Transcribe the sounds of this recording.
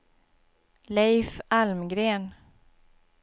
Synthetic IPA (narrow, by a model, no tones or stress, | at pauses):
lɛjfalmɡɾeːn